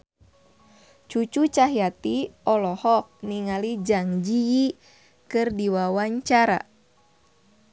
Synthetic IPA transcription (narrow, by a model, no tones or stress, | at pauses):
t͡ʃut͡ʃut͡ʃaɦiat̪iɔlɔhɔk̚niŋalid͡ʒaŋd͡ʒiji | kɨrdiwawaɲt͡ʃaɾa̰